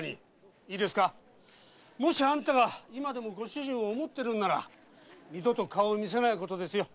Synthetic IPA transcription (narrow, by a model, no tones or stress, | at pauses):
ɲḭ | iːd̪e̞sɨ̥ka | mo̞ɕiãnt̪aɡaimad̪e̞mo̞ɡo̞ɕɨʑĩɰ̃oːmo̞t̪ːe̞ɾɯ̟̃nːaɾa̰ | mʲid̪o̞t̪o̞kaoːmʲis̬e̞naiko̞t̪o̞d̪e̞sɨjo̞